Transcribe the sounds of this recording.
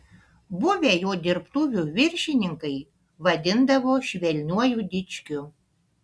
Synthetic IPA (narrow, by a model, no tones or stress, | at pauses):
bʊʋʲɛjoːd̪ʲɪɾpt̪uʋʲuʋʲɪɾʲʃʲɪnʲɪŋkɐɪ | ʋɐd̪ʲɪnd̪ɐʋoʃʲʋʲɛlʲnʲuɔjud̪ʲɪt͡ʃʲkʲʊ